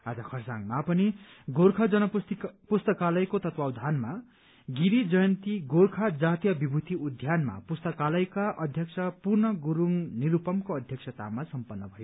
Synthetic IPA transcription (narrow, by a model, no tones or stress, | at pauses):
ad͡zʌkʰʌrsaŋmapʌni | ɡoɾkʰʌd͡zʌnʌp̪pust̪ʌkalʌjkot̪ʌt̪wawd̪ʱanma | ɡiɾid͡zʌjʌnt̪iɡorkʰad͡zat̪jʌbibʱut̪iud̪ʱjanma̰pust̪ʌkalʌjkaʔʌd̪ʱjʌksʰʌpurnʌɡuɾuŋniɾupʌmkoʌd̪ʱjʌksʰʌt̪a̰masʌmpʌnːʌbʱʌjo